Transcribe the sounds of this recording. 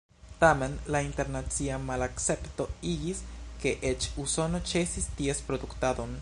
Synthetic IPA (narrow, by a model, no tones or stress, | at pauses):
tame̞nlainte̞ɾnat͡siamalakt͡se̞pto̞iɡiske̞ʔet͡ʃuso̞no̞t͡ʃe̞sistiespɾo̞duktado̞n